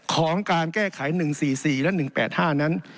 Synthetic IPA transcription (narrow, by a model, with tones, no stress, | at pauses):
kʰɔː˩˦ŋkaː˧nkɛː˥˩kʰa˩˦jnɯ˨˩ŋsiː˨˩siː˨˩lɛ˦˥nɯ˨˩ŋpɛː˨˩t̪̚haː˥˩na˦˥n